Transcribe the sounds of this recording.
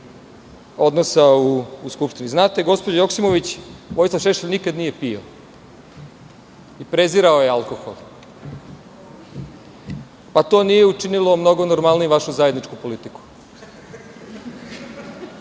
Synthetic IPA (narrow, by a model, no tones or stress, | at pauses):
o̞d̪nosauːskupʃt̪iniznaːt̪e̞ɡo̞spod͡ʑajo̞ksimo̞ʋit͡ɕʋo̞jslˠafʃeʃeʎnikad̪nije̞pijo̰ | ipɾeziɾaojealko̞xo̞̰lˠ | pat̪o̞ːnije̞ut͡ʃinilo̞mno̞ɡo̞noɾmalnijeʋaʃuzajed̪nit͡ʃkupo̞lit̪iku̥